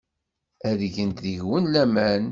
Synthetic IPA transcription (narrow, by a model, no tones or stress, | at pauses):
æðʝənt̪ðiʝwənlæmæn